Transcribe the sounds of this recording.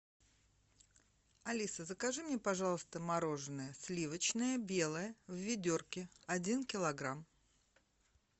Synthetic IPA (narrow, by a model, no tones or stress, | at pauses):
ɐlʲisəzəkɐʐɨmnʲepɐʐɑlˠəst̪əmɐɾo̞ʐɨnəjəsʲlʲivət͡ɕnəjəbʲe̞lˠəjəvːʲɪdʲo̞rkʲɪɐdʲinkʲɪlˠɐɡɾam